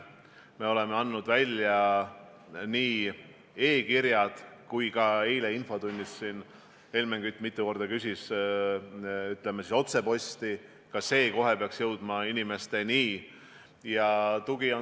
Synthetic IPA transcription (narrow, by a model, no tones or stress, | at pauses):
me̞o̞le̞meɑnːud̪vælʲjɑ | niː | e̞ːkiɾjɑd̪̥kujkɑejleinfo̞t̪unʲːisːiːn | elmeŋɡ̥yt̪ːˑmit̪ːˑuko̞rd̪ɑkysʲis | yt̪ːˑle̞mesiso̞t̪se̞po̞sʲt̪i | kɑse̞ːko̞ɦepeɑksjɤwd̪̥mɑinime̞st̪e̞niː | jɑt̪uɡ̥io